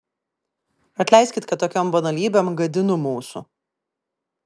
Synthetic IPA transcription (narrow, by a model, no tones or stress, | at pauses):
ɐt̪ʲlʲɛˑɪsʲkʲɪt̪kɐt̪t̪ːoːkʲɔmbɐnɐlʲiːbʲeːmɡɐd̪ʲɪnʊmuːsʊ̰